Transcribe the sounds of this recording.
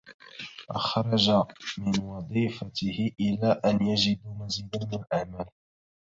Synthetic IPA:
ʔɑ̰xɾˤɑd͡ʒamɪnwɑd̪ˤiːfat̪ɪhɪʔɪlaːʔanjad͡ʒɪd̪maziːd̪amɪnalʔaʕmaːl

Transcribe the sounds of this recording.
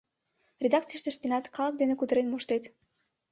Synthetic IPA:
rʲed̪ɑk̚t̪t͡sijʃt̪ə̆ʃt̪enɑt̪kɑlˠək̚d̪enekut̪ə̆ɾenmoʃt̪et̪

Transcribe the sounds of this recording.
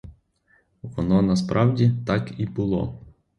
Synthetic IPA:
ʋɔnɔnɐspɾʔɑwdʲit̪ɑkibʊlˠɔ̰

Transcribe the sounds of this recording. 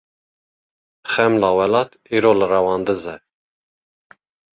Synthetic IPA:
xɛmlɑːwɛlɑːt̪iːɾoːlɨrɛwɑːnd̪ɨzɛ

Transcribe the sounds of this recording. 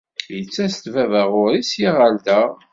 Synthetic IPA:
jət͡sːæst̪vævəʁʊɾisjiʁand̪æ

